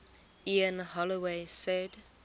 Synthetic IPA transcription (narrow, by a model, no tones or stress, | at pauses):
iə̃nhɔliwesɛd